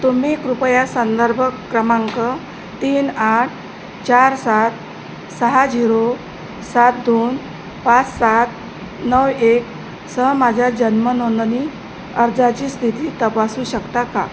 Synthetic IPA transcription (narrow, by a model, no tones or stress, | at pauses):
t̪um̤iːkɾupəjasənd̪əɾbʱəkːɾəmaŋkə | t̪iːnaʈ̚ʰ | t͡ɕaɾsat̪̚ | səɦad͡ʑiɾo | sat̪̚d̪on | pat͡ssat̪̚ | nəwek | səɦmad͡ʑʱjad͡ʑənmənonniː | əɾd͡zat͡ɕiːst̪ʰit̪iːt̪əpasuɕəkt̪aka̰